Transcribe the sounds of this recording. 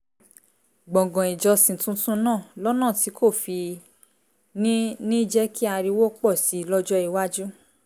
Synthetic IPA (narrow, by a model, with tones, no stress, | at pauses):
ɡ͡bɔ̃˨ɡɔ̃˨i˨d͡ʒɔ˧sĩ˨tũ˧tũ˦nãː˦˨lɔ˦nãː˦˨ti˨˦kʰo˦˨fi˧ | nĩ˦nĩ˦d͡ʒɛ˦ki˦a˧ɾi˧wo˦k͡pɔ˦˨si˨˦˨lɔ˦d͡ʒɔ˦i˨˧wa˦d͡ʒu˦